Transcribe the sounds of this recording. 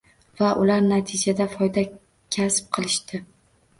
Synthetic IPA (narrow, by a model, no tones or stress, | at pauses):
vaʔʊlaɾnat̪ʰɪd͡ʒad̪afɒjd̪a | kʲʰasp̚qʰɨlˠɪʃt̪ɪ